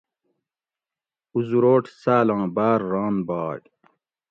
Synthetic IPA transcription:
uzuɾoːʈʰsaːlãːbaːɾːaːnbaːʈ

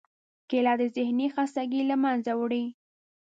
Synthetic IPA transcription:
kelɑd̪əzɪhnixɑst̪aɡiləmanzawɽi

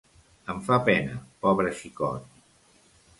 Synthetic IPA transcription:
əɱfapɛnə̰pɔβɾeʃikɔ̰t̪

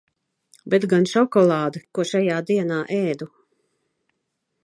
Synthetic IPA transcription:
bet̪ɡanʃɔkɔlˠaːd̪ɨkuɔʃajaːd̪iɛnaːʔɛːd̪u

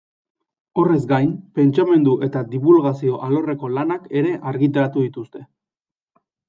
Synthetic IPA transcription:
o̞re̞zɡajmpe̞nt͡ʃame̞nd̪uʔe̞t̪ad̪iβulɣasio̞ʔalo̞re̞ko̞lanake̞ɾe̞ʔaɾɣit̪aɾat̪uðit̪ust̪e̞

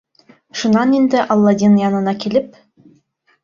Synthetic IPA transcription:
ʃunɑnend̪ɪʔɑlˠːɑd̪ʲinjɑnɤ̆nɑkʲilɘp̚

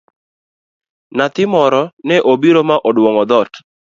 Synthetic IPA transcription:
nat̪ɪmɔɾɔnɛʔobiɾomaʔɔdwɔŋɔd̪ɔt

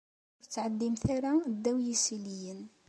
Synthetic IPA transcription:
ʊɾət͡sːʕad̪ːimθaɾæd̪ːæwjisilijən

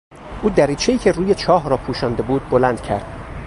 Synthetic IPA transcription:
ʔuːd̪æɾiːt͡ʃʰe̞iːcʰeruːje̞t͡ʃʰɒːɦɾɒːpʰuːʃɒːnd̪e̞buːd̪̚bo̞lænd̪̥cʰæ̰ɾd̪̥

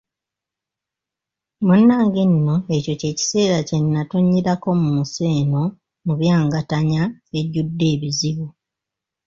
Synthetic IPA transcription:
munːaːŋɡinːo̞eco̞ce̞ːci̥se̞ːɾace̞nːatoɲːiɾako̞mumuse̞ːno̞ | muβjaːŋɡataɲae̞ɟudːe̞ːβiziβu

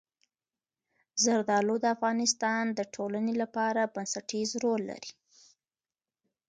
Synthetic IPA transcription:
zaɾd̪ɑlod̪əafɣɑnɪst̪ɑnd̪əʈʰolanelapɑɾabansaʈizɾolːa̰ɾi̥

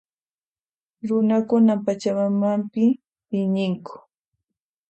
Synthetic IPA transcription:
ɾʊnakʊnapat͡ʃamamampɪ | ɪɲɪŋkʊ̥

